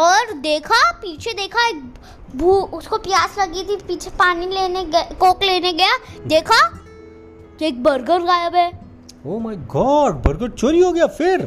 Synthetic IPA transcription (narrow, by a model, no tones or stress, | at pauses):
ɔːɾd̪eːkʰapiːt͡ʃʰed̪eːkʰaeːk̚ | bʱuːʊskopjaːslɐɡit̪ʰipiːt͡ʃʰepaːnileːneɡkoːkleːneɡɐjaːd̪eːkʰa | keːk̚bɐɾɡəɾɡaːjəbɦɛː | oːmaːiɡɔːɖ̚bɐɾɡəɾt͡ʃoɾiɦoɡɐjafɪɾ